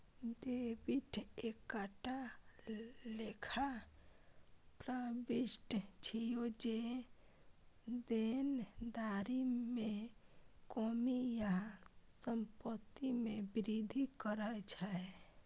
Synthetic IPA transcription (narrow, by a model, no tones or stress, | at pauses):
ɖebiʈʰekaʈa | lekʰa | pɾəbisʈt͡ʃʰijod͡ʒe | d̪end̪aɾime | kɔmijasəmpət̪ːimebiɾid̪ʱikəɾət͡ʃʰaɛ